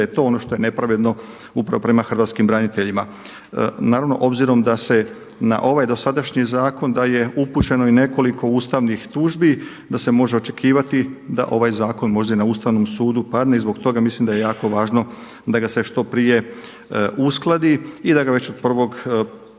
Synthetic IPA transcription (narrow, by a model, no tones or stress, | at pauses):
jet̪o̞o̞no̞ʃt̪o̞je̞ne̞pɾaʋe̞d̪no̞ | upɾa̰ʋo̞pɾe̞maxr̩ʋaːt̪skimbɾanit̪e̞ʎima | naːɾaʋno̞ʔo̞bziɾo̞md̪ase̞ | na̰ʔo̞ʋajd̪o̞sad̪aʃɲizaːko̞nd̪aje̞uput͡ɕe̞no̞ine̞ko̞liko̞uːst̪aʋnixt̪uːʒbi | d̪ase̞mo̞ʒe̞o̞t͡ʃe̞̥kʰiːʋat̪id̪a̰ʔo̞ʋajzaːko̞nmo̞ʒd̪ainauːst̪aʋno̞msuːd̪upad̪neizbo̞ɡt̪o̞ɡamislimd̪aje̞jaːko̞ʋaːʒno̞ | d̪aɡase̞ʃt̪o̞pɾije̞ | usklˠad̪iid̪aɡaʋe̞t͡ɕod̪̚pr̩ʋo̞ɡ